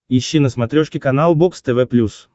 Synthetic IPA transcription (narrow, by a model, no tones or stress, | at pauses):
iɕːinəsmɐt̪ɾʲoʂkʲɪkɐnalˠbokst̪ɛvɛplʲus